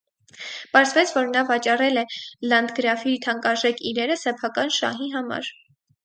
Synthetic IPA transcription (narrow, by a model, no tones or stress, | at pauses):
pɑɾzvɛt͡sʰvɔɾnɑvɑt͡ʃɑrɛlɛlɑnd̪ɡəɾɑfit̪ʰɑŋkɑɾʒɛkʰiɾɛɾəsɛpʰɑkɑnʃɑ̰ɦiɦɑmɑ̰ɾ